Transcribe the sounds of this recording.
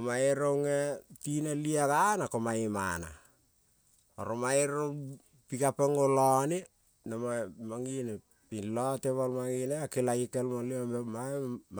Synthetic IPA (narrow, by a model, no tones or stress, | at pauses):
omaeɾoŋetinaliakanakomaema̰na̰ | o̰ɾomaeɾo | pikapeŋolone | namamaŋine | piloteβalmaŋineakelaikelmoliomema